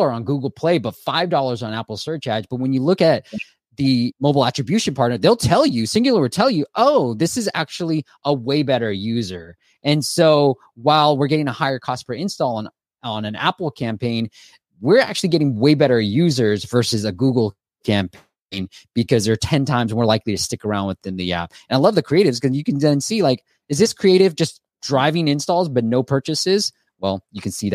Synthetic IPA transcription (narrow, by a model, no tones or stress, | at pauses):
lˠə˞ə̃nɡuɡl̩ˠpʰl̥eɪbʌtfaɪvdɔlˠə˞zn̩æpl̩ˠsɜ˞t͡ʃæd͡ʒb̥ʌt̚wə̃njɨlʊkɨt̪̚ | ðɨmoʊbl̩ˠæt͡ʃɹ̥ɨbjʉʃɨ̃n̩pʰɑɹtnə˞ðeɪlˠtʰɛlˠjʉsɪ̃ŋɡl̩ˠə˞witʰɛlˠjɨʔoʊðɪsɨzæ̰k̚t͡ʃul̩ˠi | ʔəweɪbɛɾə˞jʉzə˞ | ʔɨ̃nsoʊ | waɪlˠwɪɹɡɛɾɪ̃ŋəhaɪə˞kʰɔspʰɹə˞ɪ̃nstɔlˠə̃n | ə̃nɨ̃næ̰pl̩ˠkʰæ̃mpʰẽɪ̃n | wɪɹæ̰k̚t͡ʃʉl̩ˠiɡɛɾɪ̃ŋweɪbɛɾə˞jʉzə˞zvɜ˞sɨzɨɡuɡl̩ˠ | kʰæ̃mpʰ | ɪ̃nb̥ɨkʰʌzðə˞tʰɛ̃ntʰãɪ̃mzmɔɹlaɪkliɾɨstɪkə˞ãʊ̃ndwɨθɪ̃nðḭæ̰p̚ɨ̃naɪlʌvðɨkʰɹ̥ieɪɾɨvz̥kʌzjɨkɨ̃n̩ðɨ̃nsilaɪk | ɨzðɪskʰɹ̥ieɪɾɨvd͡ʒʌs | d̥ɹaɪvɪ̃ŋɪ̃nstɔlˠzbʌtⁿnoʊpʰɜ˞t͡ʃɨsɪz̥ | wɛlˠjɨkɨ̃n̩sið